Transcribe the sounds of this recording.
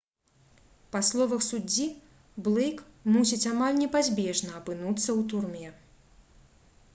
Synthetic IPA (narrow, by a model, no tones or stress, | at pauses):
paslˠɔvɐxsud͡zʲːi | blˠɛjkmusʲit͡sʲamalʲnʲɛpazʲbʲɛʐnɐːpɨnut̪sːɐwt̪urmʲɛ